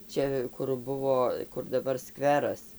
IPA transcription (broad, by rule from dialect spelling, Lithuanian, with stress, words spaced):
ˈt͡ʃʲɛ kʊr ˈbʊʋoː kʊr dɐˈbɐr ˈskʋʲæːrɐs